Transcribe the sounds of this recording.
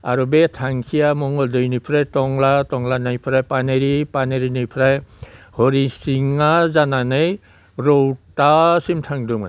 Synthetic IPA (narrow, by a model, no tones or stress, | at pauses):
a̰ɾubetʰaŋkʰijamɔŋɔldɯjnɯpʰɾajtɔŋlatɔŋlanajpʰɾajpaneɾipaneɾinɯjpʰɾajhɔɾisiŋazananɯj | ɾɔwtasimtʰaŋduma̰